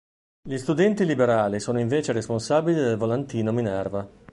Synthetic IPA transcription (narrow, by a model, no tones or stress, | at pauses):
ʎist̪ud̪ɛnt̪ilibeɾaːlisoːnoiɱveːt͡ʃeɾesponsaːbilid̪elvolant̪iːnominɛrva